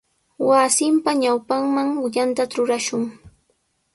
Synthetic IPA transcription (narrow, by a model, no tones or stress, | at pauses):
wasɪmpaɲawpaŋmaŋwɪʎant̪aɾʊɾaʃʊŋ